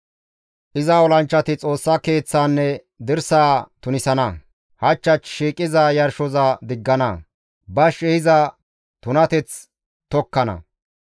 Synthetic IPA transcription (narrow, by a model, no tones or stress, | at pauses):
ʔɪzɐɔlɐnt͡ʃːɐt̪ɪt͡sʼo̞ːsːɐke̞ːt͡sːaːnːɛ | d̪ɪɾsaːt̪ʊnɪsɐnɐ | hɐt͡ʃːɐt͡ʃʃiːkʼɪzajɐɾʃɔzɐd̪ɪɡːɐnɐ | bɐʃɛhɪzɐ | t̪ʊnɐt̪ɛt͡s | t̪ɔkːɐnɐ̰